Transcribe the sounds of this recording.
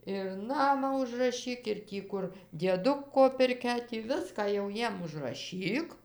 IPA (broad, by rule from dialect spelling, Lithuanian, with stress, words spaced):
ɪr ˈnɑːmɑː ʊʒrɐˈʃʲiːk ɪr ˈtʲiː kʊr dʲiɛˈdʊkoː pʲɪrʲˈkʲɛ tʲiː ˈʋʲɪskɑː jɛʊ ˈjiɛm ʊʒrɐˈʃʲiːk